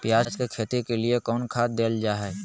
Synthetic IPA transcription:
pjaːskekʰeːt̪ikeliekɔːnkʰaːt̪̚d̪eːld͡ʒaːɦɛ

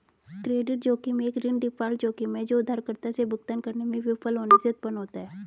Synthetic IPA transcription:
kɾeːɖɪʈ̚d͡ʒoːkimẽeːkɾɪnɖɪpʰaːld͡ʒoːkimẽd͡ʒoːʊd̪ʱːaːɾkəɾt̪asebʱʊɡ̚t̪ənkɐɾnemẽʋɪfʰəlɦoːneseʊt̪̚pənɦoːt̪aɦɛː

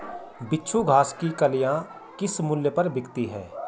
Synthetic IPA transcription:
bɪtːʃʰuɡʱaːskikəlɪjã | kɪsmʊlːjəpɐɾbɪkt̪iɦɛ̰ː

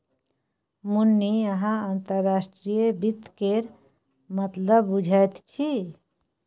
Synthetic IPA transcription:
munːiəɦãant̪əɾːasʈɾijebit̪keɾ | mət̪ləbːud͡ʒʱajt̪t͡ʃʰi

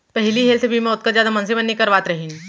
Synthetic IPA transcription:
pɛɦliɦeːlsebʱimẽʊt̪̚kəɾzjaːd̪amɐ̃ns̬ebɐnːekɐɾʋaːt̪ɾɐɦin

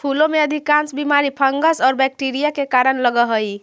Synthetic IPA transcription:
pʰulomeəd̪ʱikansbimaɾipʰəŋɡəsɔːɾbɛk̚ʈiɾijakekaɾənləɡəɦəj

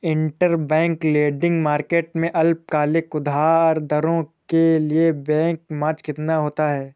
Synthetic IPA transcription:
ɪ̃ɳʈəɾbɛ̃ːŋkleːɖɪ̃ŋɡmaːɾkeːʈmẽʔɐlp̚kaːlɪkʊd̪ʱaːɾd̪ʱɐɾõkeliebɛ̃ːŋkmaːt͡ʃkɪt̪naɦoːt̪aɦɛː

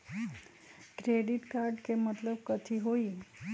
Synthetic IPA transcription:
kɾeɖɪʈkaɾɖkemət̪ləbkət̪ʰiɦoi

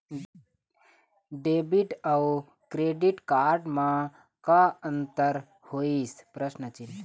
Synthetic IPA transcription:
ɖeːbiʈɐw | kɾeːɖiʈkaːɾɖmã | kaənt̪əɾ | hoːispɾəsnət͡ʃil

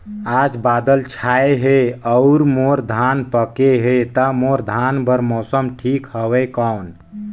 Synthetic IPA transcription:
ad͡ʒbad̪əlt͡ʃʰaeɦeəʊɾmoɾd̪ʱanpəkeɦet̪əmoɾd̪ʱanbəɾmɔsəmʈʰikhəwɛkawn

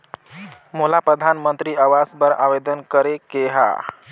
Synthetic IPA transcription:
molapɾəd̪ʱanmənt̪ɾiaʋasbəɾa̰ʋed̪ənkəɾekeɦa̰

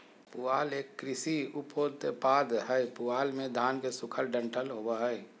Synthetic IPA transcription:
puaːleːkːɾɪsiupoːd̪̚t̪epaːd̪ɦəjpuaːlmẽd̪ʱaːnkesʊkʰəlɖə̃ɳʈəlɦobaɦəj

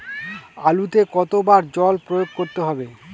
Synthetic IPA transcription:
alut̪ekɔt̪obaɾd͡ʑɔlpɾojoɡ̚koɾt̪eɦɔbe

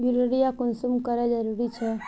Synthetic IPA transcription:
juɾəɽijakunsumkəɾɛd͡ʒəɾuɾit͡ʃʰɛ

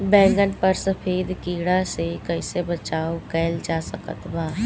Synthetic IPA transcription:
bɛ̃ːŋɡənpəɾsəpʰeːd̪kiːɽasekəɪsebɐt͡ʃaːokɛːld͡ʒaːsəkə̰t̪baː

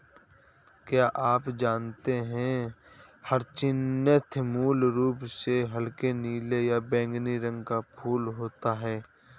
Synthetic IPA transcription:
kjaːʔaːpd͡ʒaːnt̪eɦɛ̃ | həɾt͡ʃɪnət̪ʰmuːlɾuːpseɦəlkeniːlejabɛ̃ːŋɡniɾə̃ŋɡkapʰuːlɦoːt̪aɦɛː

